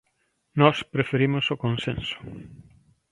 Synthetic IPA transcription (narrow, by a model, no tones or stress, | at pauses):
nɔspɾefeɾimʊsʊkõnsḛ̃nsʊ̥